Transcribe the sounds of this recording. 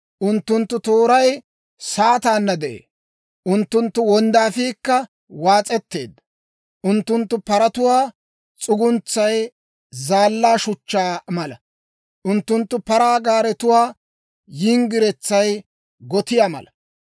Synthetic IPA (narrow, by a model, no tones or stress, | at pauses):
ʔʊnt̪ːʊnt̪ːʊt̪oːɾɐj | saːt̪aːnːɐd̪ɛʔḛː | ʔʊnt̪ːʊnt̪ːʊwɔnd̪aːfiːkːɐ | waːt͡sʼɛt̪ːe̞̰ːd̪ːɐ | ʔʊnt̪ːʊnt̪ːʊpɐɾɐt̪ʊwaː | t͡sʼʊɡʊnt͡sːɐj | zaːlːaːʃʊt͡ʃːaːmɐlɐ | ʔʊnt̪ːʊnt̪ːʊpɐɾaːɡaːɾɛt̪ʊwaː | jɪŋɡɪɾɛt͡sːɐj | ɡɔt̪ɪjaːmɐ̰lɐ